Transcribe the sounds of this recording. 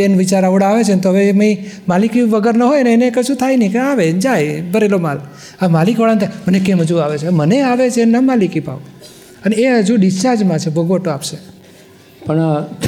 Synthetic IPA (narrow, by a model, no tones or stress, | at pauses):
enʋit͡ʃaɾaʋɽaːʋet͡ʃʰent̪oɦəʋeməimalikiʋəɡəɾnəɦojəneːnekəʃũt̪ʰainəikeaʋed͡ʒajbʱəɾelomal | əmalikʋəɽant̪ʰamənekemɦəd͡ʒuaʋet͡ʃʰeməneaʋet͡ʃʰenamalikipa̰ʋu | əneeɦəd͡ʒuɖist͡ʃaɾd͡ʒmãt͡ʃʰebʱəɡʋoʈoapʃe | pəɳ